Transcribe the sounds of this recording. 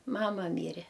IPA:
ˈmɑːmɐ ˈmʲiːrʲɛ

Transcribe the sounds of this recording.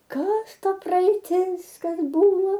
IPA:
ˈkɐs ˈtɐ prɐɛɪˈtʲɪs ˈkɐs ˈbʊʋoː

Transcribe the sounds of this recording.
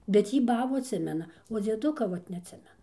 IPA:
bʲɛt ˈjiː ˈbɑːbuː ɐtʲˈsʲɪmʲɛnɐ oː d͡zʲiɛˈdʊkɐ ˈʋɐt nʲɛɐtʲˈsʲɪmʲɛnɐ

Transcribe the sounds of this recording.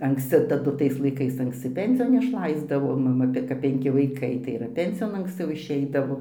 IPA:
ɐŋksʲˈt͡sʲɪ tɐˈdʊ ˈtɐɪs lˠɐɪˈkɐɪs ɐŋksʲˈt͡sʲɪ ˈpʲɛnʲsʲɪjoːn ɪʃˈlˠɐɪzdɐʋoː mɐˈmɐ bʲɛ kɐp pʲɛŋʲˈkʲɪ ʋɐɪˈkɐɪ tɐɪ ɪr ˈpʲɛnʲsʲɪjoːn ɐŋksʲˈt͡sʲɛʊ ɪʃʲˈɛɪdɐʋoː

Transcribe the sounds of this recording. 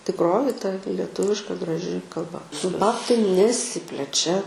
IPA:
tʲɪkˈroːjɪ tɐ lʲɛˈtʊʋʲɪʃkɐ ɡrɐˈʒʲɪ kɐlˠˈbɐ sʊ ˈbɑːptɐɪ nʲɛˈsʲɪpʲlʲɛt͡ʃʲɛ

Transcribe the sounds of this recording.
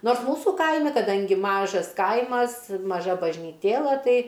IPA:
ˈnoːrs ˈmuːsuː ˈkɐɪmʲɪ kɐˈdɐŋʲɡʲɪ ˈmɑːʒɐs ˈkɐɪmɐs mɐˈʒɐ bɐʒʲnʲiːˈtʲeːlˠɐ ˈtɐɪ

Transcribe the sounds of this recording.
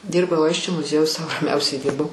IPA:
ˈdʲiːrbɐʊ ˈɐɪsʲt͡ʃʲoː mʊˈzʲiɛjʊj sɐʊ rɐˈmʲɛʊsʲɛɪ ˈdʲiːrbɐʊ

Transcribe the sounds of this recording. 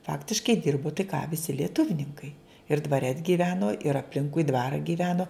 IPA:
ˈfɑːktʲɪʃkɐɪ ˈdʲɪrboː tɐɪ kɑː ʋʲɪˈsʲɪ lʲiɛˈtʊwnʲɪŋkɐɪ ɪr dʋɐˈrʲɛ t ɡʲiːˈʋʲæːnoː ɪr ɐpʲˈlʲɪŋkʊɪ ˈdʋɑːrɑː ɡʲiːˈʋʲæːnoː

